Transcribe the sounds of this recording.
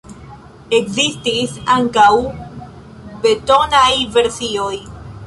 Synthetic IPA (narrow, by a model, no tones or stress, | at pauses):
e̞kzistisaŋkaw | be̞to̞najve̞ɾsio̞j